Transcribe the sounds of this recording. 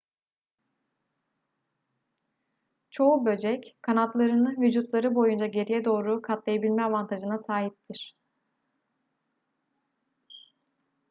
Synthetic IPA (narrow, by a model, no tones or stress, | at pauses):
t͡ʃʰo̞ubø̞d͡ʒɛckʰanat̪lˠaɾɯnɯvyd͡ʒut̪lˠaɾɯbo̞jund͡ʒaɟe̞ɾijɛd̪o̞ːɾukʰat̪lˠajabilʲmɛavant̪ʰaʒɯnasaːɦip̚t̪ʰiɾ̝̥